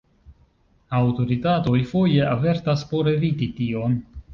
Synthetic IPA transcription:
awto̞ɾitato̞jfo̞je̞ʔave̞ɾtaspo̞ɾe̞vititio̞n

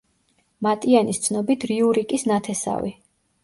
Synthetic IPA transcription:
mat̪ʼianist̪sʰnɔbit̪ʰɾiuɾikʼisnat̪ʰɛsa̰vḭ

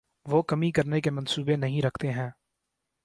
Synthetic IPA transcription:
ʋoːkɐmĩkɐɾnekemə̃nsuːbenɐɦĩɾɐkʰt̪eɦɛ̃ː

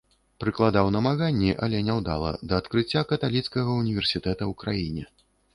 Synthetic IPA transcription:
pɾɨklˠad̪awnɐmaɣanʲːiʔɐlʲɛnʲawd̪a̰lˠɐ̰d̪ɐːt̪kɾɨt͡sʲːakɐt̪alʲit̪skɐɣɐunʲivʲɛrsʲit̪ɛt̪ɐwkɾajinʲɛ

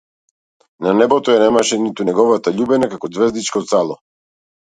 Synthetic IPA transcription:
nanɛbɔt̪ɔjanɛmaʃɛnit̪unɛɡɔvat̪aʎubɛnakakɔd̪zvɛzd̪it͡ʃkɔt̪salˠɔ

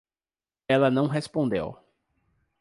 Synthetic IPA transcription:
ɛlɐnɐ̃w̃ɦespõnd̪ḛw

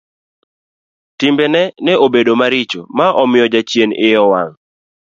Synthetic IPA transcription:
tɪmbɛnɛnɛobedomaɾɪt͡ʃo̰maʔɔmɪjɔd͡ʒat͡ʃjenɪjɔwaŋ

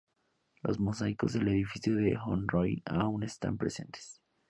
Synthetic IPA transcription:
lo̞̰zmo̞sajko̞zðe̞le̞ðifisjo̞ðexonrojaune̞st̪a̰mpɾe̞se̞nt̪e̥s

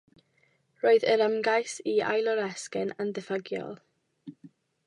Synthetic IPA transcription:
roːɨðəɾəmɡajsia̰jlˠɔɾɛskɛnəndəfaɡjɔ̰lˠ

